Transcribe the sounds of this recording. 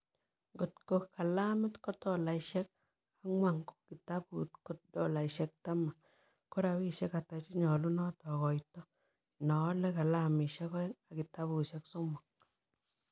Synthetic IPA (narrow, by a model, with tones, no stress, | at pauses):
ɡo˨tko˨kːa˨la˦mɪ˦tkɔ˦tɔ˨la˨iʃɛ˦k̚ | a˦ŋwa˨ŋɡo̥˦kki˨ta˦pṵ˨tko˦t̚dɔ˨la˨iʃɛ˦k̚ta˦ma˨ | ko˦ɾa˨wi˦ʃɛ˦ka˨ta˨t͡ʃi˦ɲɔ˨lu˦nɔ˦tɔ˨kɔ˨jtɔ˦ | nɔ˨˦lɛ˦ka˨la˦mi˨ʃɛ˦kɔ˦ŋa˨ki˨ta˦bu˨ʃɛ˦kso˦mɔ˨k̚